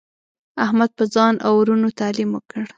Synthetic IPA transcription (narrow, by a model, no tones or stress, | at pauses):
ahmad̪̚pəzɑnʔa̰wɾunot̪alimwəkəɽ